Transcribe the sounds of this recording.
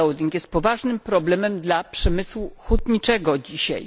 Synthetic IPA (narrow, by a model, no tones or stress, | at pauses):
ɛwd̪ʲiŋkjɛst̪̚pɔvaʐnɘmpɾɔblɛmɛmd̪lapʂɛmɘswuxut̪ɲit͡ʂɛɡɔd͡ʑiɕa̰j